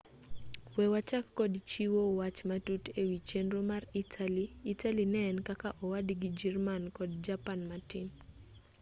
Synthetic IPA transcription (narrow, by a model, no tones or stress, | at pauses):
wɛwat͡ʃakːɔdt͡ʃiwowat͡ʃmatutewit͡ʃenɾomaritʰaliːtalinɛɛnkakaʔɔwadiɡid͡ʒɛrmankɔdd͡ʒapanmatin